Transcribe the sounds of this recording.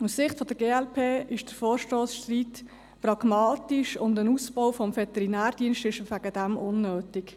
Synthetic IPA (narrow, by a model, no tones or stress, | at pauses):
ussɪχtfɔd̥̪əɾɡeːɛlpʰeːɪʃd̥əɾfoːɾʃtoːsʃt̪riːt | prɑɡ̥mɑːtiʃʊndənusbowfɔmfɛtɛɾinæːɾd̥iənstɪʃəʋæɡ̥əd̥æmʔʊnːøːtɪk